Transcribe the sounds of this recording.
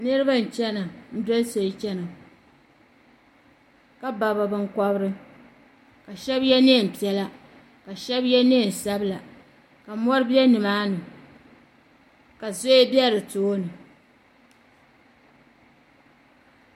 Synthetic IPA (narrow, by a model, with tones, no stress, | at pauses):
nɨ˦ɾɨ˦ba˦n̩˨t͡ʃɛ˦na˨n̩˦dɔ˦lso˨ɪ˦t͡ʃɛ˦na˨ | ka˦ba˨ba˨bɨ˨ŋ˦kɔ˦bɾɨ˦ | ka˨ʃɛ˦bjɛ˦ne˦˨m̩˨pi˨ɛ˨la˦ | ka˨ʃɛ˦bjɛ˦ne˦˨n̩˨sa˦bɨ˦la˨ | ka˨mɔ˦ɾɨ˦bɛ˦nɨ˨maː˦nɨ˨ | ka˨zo˦e˦bjɛ˦ɾɨ˨toː˦nɨ˨